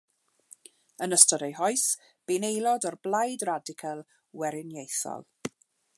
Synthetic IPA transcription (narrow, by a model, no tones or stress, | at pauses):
ənəstɔɾejɦɔɨs | b̥inejlˠɔdɔrblajdradɪkʰəlˠ | wɛɾɪnjejθɔ̰lˠ